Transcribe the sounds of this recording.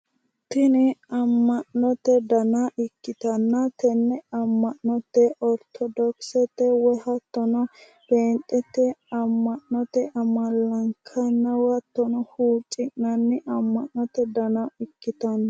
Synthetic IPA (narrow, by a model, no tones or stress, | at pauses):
t̪ɪnɪɐmːɐʔnːɔt̪ɛd̪ɐnɐʔɪkːɪt̪ɐnːɐt̪ɛnːɛɐmːɐʔnɔt̪ːɛʔɔɾt̪ʰɔd̪ɔksɛt̪ːɛwɔhɐt̪ːɔnɔ | b̥eːnt̪ʼːɛt̪ːɛɐmːɐʔnɔt̪ɛʔɐmɐlːɐŋkʰɐnːɐwɐt̪ːɔnɔhuːt͡ʃʼːɪʔɐnːɪʔɐmːɐʔnɔt̪ɛd̪ɐnɐɪkːɪt̪ɐnːɐ